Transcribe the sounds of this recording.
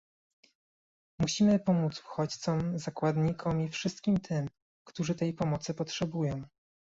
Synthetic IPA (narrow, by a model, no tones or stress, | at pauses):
muɕimɘpɔmut̪su̥xɔt͡ɕt̪sɔmzakwad̪ɲikʰɔmʲifʂɘst̪̚kʲimt̪ʰɘm | kt̪uʐɘt̪ɛjpɔmɔt̪sɘpɔtʂɛbujɔ̃w̃